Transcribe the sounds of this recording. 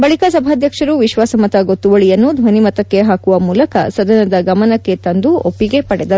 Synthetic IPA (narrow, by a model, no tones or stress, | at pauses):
bɐɭikas̬ɐbʱaːd̪ʱjɐkʂɐɾuʋiʃʋaːsɐmɐt̪ɐɡo̞t̪ːuʋɐɭijɐnːud̪ʱʋɐnimɐt̪ɐkːe̞ɦaːkuʋɐmuːlɐkɐsɐd̪ɐnɐd̪ɐɡɐmɐnɐkːe̞t̪ɐnd̪uopːiɡe̞pɐɽɛd̪ɐɾu